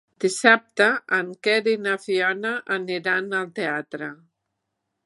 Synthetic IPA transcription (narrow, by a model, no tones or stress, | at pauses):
d̪̥isap̚t̪əːŋkɛɾinafiɔnaʔːniɾanəlˠt̪eat̪ɾə